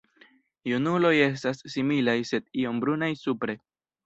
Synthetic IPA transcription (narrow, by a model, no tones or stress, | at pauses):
junulo̞je̞s̬tasːimilajse̞d̚io̞mbɾunajsupɾe̞